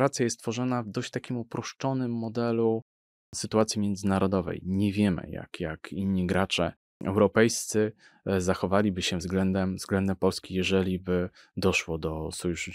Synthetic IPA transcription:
ɾat̪sʲjajɛst̪t̪fɔʐɔnavd̪ɔɕt͡ɕt̪akʲimupɾɔʂt͡ʂɔnɘmːɔd̪ɛlu | sɘt̪uat̪sʲjimʲjɛnd̪zɘnaɾɔd̪ɔvɛ̰jɲɛvʲjɛmɘ̰ja̰kjakiɲːiɡɾat͡ʂɛ̰ | ʔɛ̰wɾɔpɛjst̪sɘ | zaxɔvalʲibɘɕɛvzɡlɛnd̪ɛmzɡlɛnd̪ɛmpɔlskʲijɛʐɛlʲibɘ | d̪ɔʂwɔd̪ɔsɔjuʂ

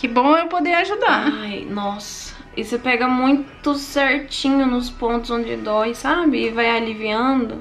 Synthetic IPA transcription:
kɪbõw̃ewpod̪eaʒud̪aajnɔs | ɐ̥ | ɪsepɛɡɐmũj̃t̪ʊsɛɾt͡ʃĩɲʊnʊspõnt̪ʊzõd͡ʒɪd̪ɔɪsabɪːvajaliviɐ̃d̪ʊ̰

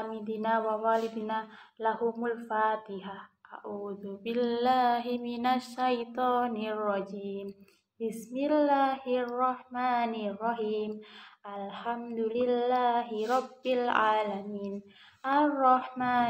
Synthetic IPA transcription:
amɪd̪ɪnaːwawaːlɪd̪naːlahʊmʊlfaːt̪ɪhaʔa̰ʔuːðʊbɪlːaːɦɪmɪnaʃːajt̪ˤɑːnɪrˤːɑd͡ʒiːm | bɪsmɪlːaːhrˤːɑħmaːnɪrˤːɑħiːmʔalħamd̪ʊlɪlːaːɦɪɾˤɑbːɪlʕaːlamiːn | ʔarˤːɑħmaː

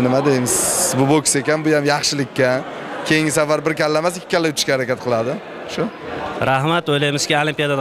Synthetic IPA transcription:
nɪmad̪ejmɪzbʊbokʲse̞kʲanbʊjamjɑχʃɪlɪkʲʰːa | kʲʰe̞jɪŋɡʲɪsavːaɾbɪɾkʲʰalːamasɪkʲʰːɪ̥kʰʲːalːajʊt͡ʃ̪ʰʊ̥ʃkʲahaɾakʲat̪̚qʰɨlˠad̪ɪ | ʃʊɾahmat̪ojlajmɪz̥kʲiolˠimpijad̪ad̪

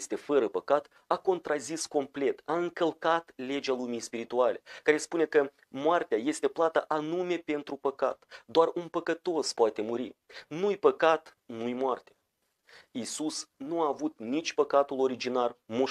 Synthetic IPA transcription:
st̪e̞fəɾəpəkat̪ | ako̞nt̪ɾazisko̞mple̞t̪aɨŋkəlkat̪le̞d͡ʒalumijspiɾit̪uale̞̰kaɾe̞spune̞kə | moart̪eaje̞st̪e̞plat̪əʔanume̞pe̞nt̪ɾupəka̰t̪d̪oarunpəkət̪o̞spoat̪e̞muɾinujpəkat̪ | nujmoart̪e̥ | isusnuaːvut̪nit͡ʃʲpəkat̪ulo̞ɾid͡ʒinarmu

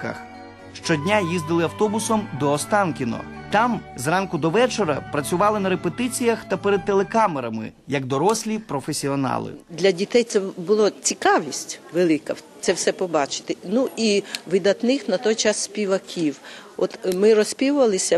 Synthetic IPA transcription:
kɐ̰x | ʃt͡ʃɔdʲnʲajizd̪ɪlˠɪɐwt̪ɔbʊsɔmd̪ɔːst̪ɑnkʲɪnɔ̰t̪ɑmzrɑnkʊd̪ɔʋɛt͡ʃɔɾɐ̰pɾɐt͡sʲʊʋɑlˠɪnɐɾepet̪ɪt͡sʲijɐxt̪ɐpeɾɛd̪̚t̪ːelˠekɑmeɾɐmɪ̰jɐɡ̚d̪ɔɾɔsʲlʲipɾɔfesʲiɔnɑ̰lˠɪ̰d̪lʲɐdʲit̪ɛjt̪sɛbʊlˠɔt͡sʲikɑʋʲisʲtʲʋelˠɪkɐt̪sɛwsɛpɔbɑt͡ʃɪ̥t̪ɪnuʔiʋɪd̪ɐt̪nɪxnɐt̪ɔjt͡ʃɑsːʲpʲiʋɐkʲʰiwɔt̪mɪrɔsʲpʲiwʊʋɐlˠɪsʲɐ

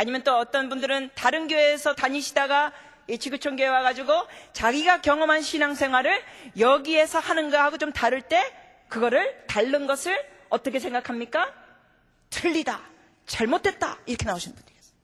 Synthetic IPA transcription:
aɲimjʌnt͈oʌt͈ʌnbundɯɾɯntaɾɯnɡjoesʰʌtaɲiɕʰidaɡa | it͡ɕʰiɡut͡ɕʰoŋɡoewaɡad͡ʑiɡot͡ɕaɡiɡakjʌŋʌmɦanɕʰinaŋsʰe̞ŋɦwaɾɯɭjʌɡie̞sʰʌhanɯnɡahaɡot͡ɕomtaɾɯɭt͈e̞ | kɯɡʌɾɯɭtaɭːɯnɡʌsʰɯɭ | ʌt͈ʌkʰe̞s̬ʰe̞ŋɡakʰamɲik͈a | tɯʎːida | t͡ɕaɭmotʰe̞t̚t͈aiɾʌkʰenaoɕʰinɯnbund̥ɾies

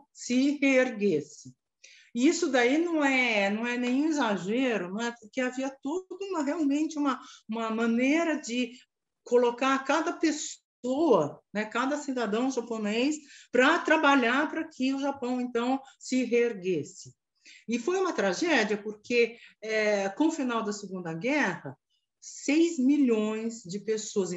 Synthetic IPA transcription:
sɪheeɾɡesɪ | ɪisʊd̪ainɐ̃w̃ɛnɐ̃w̃ɛnẽj̃ũizaʒeɾʊnɐ̃w̃ɛpʊɾkeaviɐt̪od̪ʊũmɐɦeawmẽnt͡ʃɪũmɐũmɐmɐ̃neɾɐd͡ʒɪ | kolokaɾkad̪ɐpes | oɐnɛkad̪ɐsid̪ad̪ɐ̃w̃ʒaponejspɾɐt̪ɾabaʎaɾpɾɐkʰɪʊʒapɐ̃w̃ẽnt̪ɐ̃w̃sɪɦeeɾɡesɪ | ɪfojũmɐt̪ɾaʒɛd͡ʒiɐpoɾkʰeɛkõʊfinawd̪ɐsɪɡũnd̪ɐɡɛhɐ | sejzmiʎõj̃zd͡ʒɪpesoɐz̃

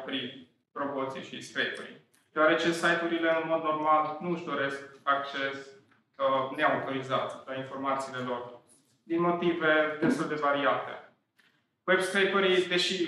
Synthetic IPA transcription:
pɾi | pɾo̞mot̪sḭjʃiskɾejpuɾḭ | d̪̥eoaɾe̞t͡ʃe̞sajt̪uɾile̞ɨnmo̞d̪no̞rmalnuɨʃd̪o̞ɾe̞skak̚t͡ʃe̞s | kəneamat̪o̞ɾizat̪ʲlainfo̞rmat̪siːle̞lo̞r | d̪inmo̞t̪ive̞d̪e̞st̪uld̪e̞vaɾiat̪e̞̰ | webskɾejpuɾid̪e̞ʃi

